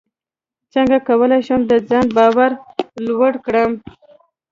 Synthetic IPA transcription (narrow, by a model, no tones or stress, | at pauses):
t͡səŋɡakawəlajʃəmd̪əd͡zɑnbɑwaɾlwəɽkɽəm